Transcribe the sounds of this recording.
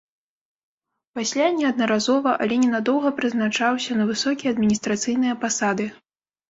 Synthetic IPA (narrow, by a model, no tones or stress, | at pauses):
pasʲlʲanʲɛɐd̪nɐɾazɔvɐʔɐ̰lʲɛnʲɛnad̪ɔwɣɐpɾɨznat͡ʂawsʲɐnɐvɨsɔkʲijɐɐd̪mʲinʲist̪ɾat̪sɨjnɨjɐpasad̪ɨ